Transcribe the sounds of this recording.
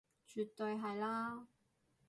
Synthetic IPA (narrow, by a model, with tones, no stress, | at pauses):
t͡ʃy˨t̪ːɵ˧jɦɐ˨jlaː˥